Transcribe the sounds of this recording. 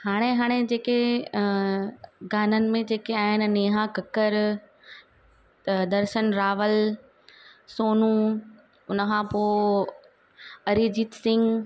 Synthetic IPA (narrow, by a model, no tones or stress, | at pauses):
haːɽ̃eɦaːɽ̃ed͡ʑeːke | ɡaːnənɪ̆mẽd͡ʑeːkeaːɦɪnɪ̆neːɦãkɐkəɾ | d̪ɐɾʃənɾaːʋəl | soːnũ | ʊnəkʰãpoː | ɐɾiːd͡ʑiːt̪sɪ̃ŋɡ